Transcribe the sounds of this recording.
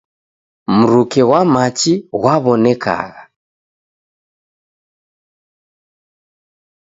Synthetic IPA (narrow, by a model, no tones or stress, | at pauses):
m̩ɾukɛɣwamat͡ʃiɣwaβɔnɛka̰ɣa